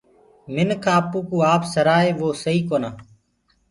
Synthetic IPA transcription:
mɪnkʰãːpũːkũːaːpsəɾaːeːʋoːsəiːkoːnaː

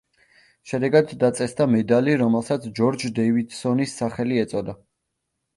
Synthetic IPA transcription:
ʃɛd̪ɛɡad̪ːat̪sʼɛsd̪amɛd̪aliɾɔmɛlˠsat̪sʰd͡ʒɔɾd͡ʒd̪ɛivid̪sɔnisːaχɛliɛt̪sʼɔd̪a

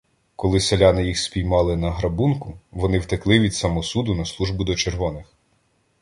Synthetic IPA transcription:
kɔlˠɪselʲɑnɪjixspʲijmɑlˠɪnɐɦɾɐbunkʊʋɔnɪwt̪ɪklˠɪʋʲid̪sɐmɔsud̪ʊnɐslˠuʒbʊd̪ɔt͡ʃerʋɔnɪx

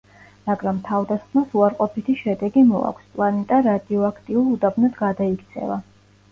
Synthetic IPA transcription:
maɡɾamt̪ʰavd̪asχmasuaɾqʼɔpʰit̪ʰiʃɛd̪ɛɡimɔ̰a̰kʷʰspʼlˠanɛt̪ʼaɾad̪iɔakʰt̪ʼiulˠud̪abnad̪ɡad̪aikʰt̪sʰɛ̰va

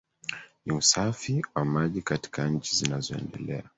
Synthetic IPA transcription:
niusafiwamaʄikati̥kaɲ̩t͡ʃizinazɔɛ̰ndɛ̰lɛa

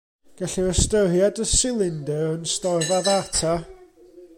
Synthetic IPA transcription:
ɡ̥aɬiəstəɾjadəsɪlˠɪndɛənstɔrvaðartʰa

